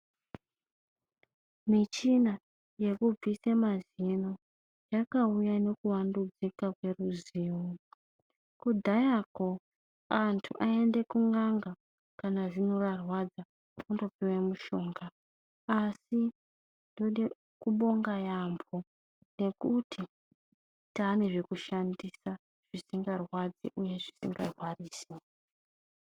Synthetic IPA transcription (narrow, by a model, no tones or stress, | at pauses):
mit͡ʃina | je̞kub͡visemazino | jakaujane̞kuwandud͡zikakwe̞ruziːwu | kud̪ʱajako̞ | antʰṵʔaende̞kuŋaŋɡa | kanaʐino̞ʋarwad͡za | undo̞piwemuʃo̞ːŋɡaː | si | ndoɗe | kuɓo̞ŋɡajambʰo̞ | ne̞kutʰi | taːne̞ʐe̞kuʃandisa | ʐ̥isiŋɡarwad͡zḭʔuje̞ʐisḭŋɡarwariːsi